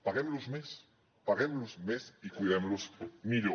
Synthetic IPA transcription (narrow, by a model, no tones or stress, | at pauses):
paɣemlozmes | paɣemlozmesikwujðemlosmiʎo